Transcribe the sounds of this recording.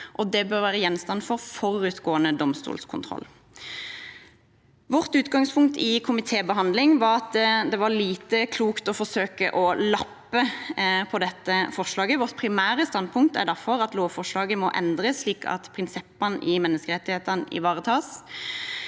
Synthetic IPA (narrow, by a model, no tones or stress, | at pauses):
ʔɔd̪ɛbœʁʋæːʁəjɛnːst̪ɑnfɔʁfɔʁʉt̪ɡoːənəd̪ɔmst̪ṵːlskʰʊnt̪ʰʁɔ̰lː | ʋɔʁt̪ʉːt̪ɡɑŋspʰʊŋk̚t̪ɪkʰʊmɪt̪ʰeːbəɦɑnd̪lɪŋʋɑʁɑt̪d̪ɛʋɑliːt̪əkʰluːkt̪ɔfɔʁsøːkəʔɔlɑpːəpʰɔd̪ɛt̪ːəfɔʁʂlɑːɡəʋɔʁt̪̚pʰɾɪmæːɾəst̪ɑnd̪̚pʰʊŋk̚t̪æ̰d̪æʁfɔʁɑt̪loːʋfɔʁʂlɑːɡəmɔʔɛ̰nd̪ʁəsliːkʰɑ̰t̪pʰʁɪnsɛpːənʔɪmɛnːəskəʁɛt̪ːɪheːt̪ənɪ̰ʋɑːʁət̪ʰɑːs